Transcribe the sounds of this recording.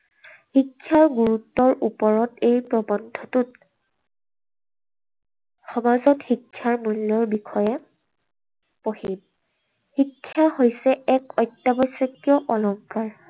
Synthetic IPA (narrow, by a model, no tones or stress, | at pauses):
xikʰːjaɹɡuɹutːɔɹʔupɔɹɔtejpɹɔbɔndʱɔtʊt̚ | xɔmazɔtxikʰːjaɹmulːɔɹbikʰɔjɛ | pohib̚ | hikʰːjahojsɛɛkɔjtːabɔjsɔkːjɔʔɔlɔmkaɹ